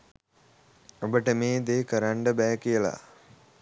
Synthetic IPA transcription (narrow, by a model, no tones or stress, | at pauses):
obəʈəmeːd̪eːkəɾaɳɖəbɛːkijəla̰